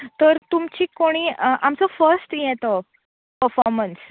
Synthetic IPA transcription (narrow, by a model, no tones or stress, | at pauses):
t̪əɾt̪umt͡ɕiːkoɽ̃iːəʔamt͡sɔfəɾsʈjɛt̪o | pəɾfɔɾməns